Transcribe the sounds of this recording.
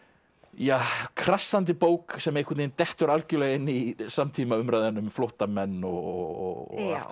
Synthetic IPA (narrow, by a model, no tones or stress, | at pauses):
jaːkʰɾasant̪̬ɪpoːwksɛmejhkʰʏt̪nejnt̪ɛht̪ʏɾalcʏlɛɣɪnːisamt̪ʰiːmaʏmɾaːjðanːʏmflɔwht̪amɛnːɔ̰ɣ̰ɣɔ̰ɔ̰ḁt̪